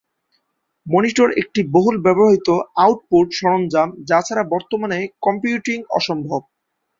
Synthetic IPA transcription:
moniʈoɾḛk̚ʈiboɦulbɛboɦit̪oawʈ̚poɾʈʃɔɾond͡ʑamd͡ʑat͡ɕʰaɾabɔɾt̪omanekɔmpjuʈiŋɔ̰ʃombʱob̚

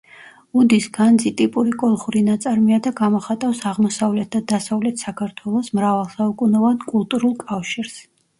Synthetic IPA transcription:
ud̪isɡ̥and̪zit̪ʼipʼuɾikʼɔlˠχuɾinat̪sʼaɾmiad̪aɡamɔχat̪ʼafsaʁmɔsavlɛt̪̚ʰd̪ad̪asavlɛt̪ʰsakʰaɾt̪ʰwɛlˠɔsmɾavalˠsaukʼunɔvankʼulˠt̪ʼuɾulˠkʼafʃiɾs

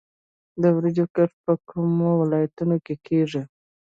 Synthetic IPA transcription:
d̪əwɾɪd͡ʒokaʈpəkʰumowɪlɑjat̪unokekʰeʐi

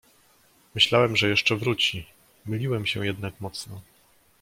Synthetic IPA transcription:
mɘɕlawɛmʐɛjɛʂt͡ʂɛvɾut͡ɕi | mɘlʲiwɛmɕɛjɛd̪nakmɔt̪snɔ

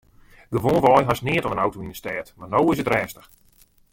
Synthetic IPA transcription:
ɡəʋoːnʋɔjɦasnɪətɔmənawtoindəstɛːtmarnowɪs̬ətrɛːstəx

